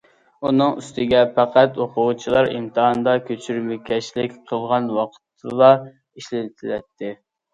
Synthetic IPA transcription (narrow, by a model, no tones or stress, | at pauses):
unɨŋyst̪ɪɡʲɛpæqʰæt̪oqʰʊʁt͡ʃʰilˠɑɾimt̪ʰɨɦɑnd̪ɑkʲʰøt͡ʃʰyɾmɪkʲɛʃlɪkʲqʰəlˠʁɑnwɑqʰə̥t̪ʰːɨlˠɑ | iʃlɪt̪ʰɪlɛt̪ʰːɪ